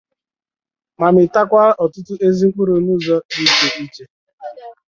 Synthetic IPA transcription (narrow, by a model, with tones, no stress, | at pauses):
ma˨mɪ˨ta˦kʷa˦ɔ˨tʊ˦tʊ˦ʔe˦zi˦k͡pu˦ɾo˨nu˦˨zɔ˦i˦t͡ʃe˨ʔi˦t͡ʃe˦